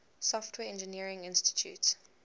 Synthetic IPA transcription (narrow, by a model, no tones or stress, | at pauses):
sɔftʰwɛɛ̃nd͡ʒəniəɹɪ̃ŋɪ̃nstɪ̥tʰjṵːts